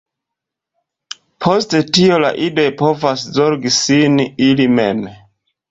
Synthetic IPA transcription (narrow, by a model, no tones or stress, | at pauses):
pʰo̞stetio̞la̰ʔidojpo̞vaszo̞ɾɡisinilimḛm